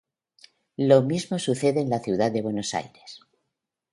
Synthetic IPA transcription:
lo̞mizmo̞suθe̞ðe̞ːnlaθjiuwðaðd̪e̞βwe̞no̞sa̰jɾe̞s

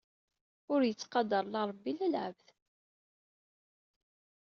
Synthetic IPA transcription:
ʊɾjət͡sːqɑd̪əɾˤlɑɾˤəbːilælʕə̰vθ

